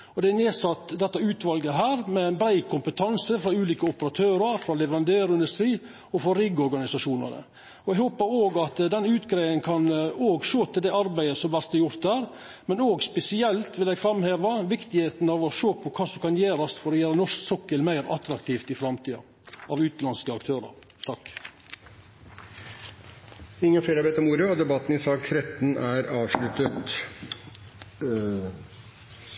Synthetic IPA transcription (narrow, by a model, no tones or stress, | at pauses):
ɔd̪ɛæneːsɑt̪ːd̪ɛt̪ːɑʉːt̪ʋɑlɡəɦæːɾmɛnbɾæɪkʰʊmpət̪ʰɑnsəfɾɑʉːliːkəʊpəɾɑt̪ʰøːɾɑɾfɾɑlɛʋəɾɑnd̪eːɾɪnd̪ʉst̪ɾiː | ɔfɔɾɪɡɔɾɡɑnɪsɑʂuːnɑ̰nə̰ | ɔɛɡhoːpəɾoːɡɑt̪d̪ɛnʉːt̪ɡɾeɪənkʰɑnoːɡʃoːt̪ʰɪld̪ɛɑɾbæɪəsɔmʋæɾt̪ːɛjʊɾt̪̚æːɾ | mɛnoːɡspɛsɪɛlt̪ʋɪlɛɡfɾɑmheːʋɑʋɪkt̪ɪheːt̪n̩ɑʋɔʃoːpʰɔkʰɑːsɔmkɑnjeːɾɑsfɔɾɔjæːɾənɔʂksɔkːəlmæɪɾɑt̪ɾɑkt̪ʰiːft̪ɪfɾɑmt̪ʰiːɑ̰ | ɑʋʉːt̪lɑnskəɑkt̪ʰøːɾə̰ɾ | t̪ʰɑkː | ɪŋːənfeːɾæɾʋeːt̪ɔmuːɾəɔd̪ɛbɑt̪ːn̩ɪsɑːktʰɾɛt̪ːn̩æɾɑːʋʂlʉt̪ət̪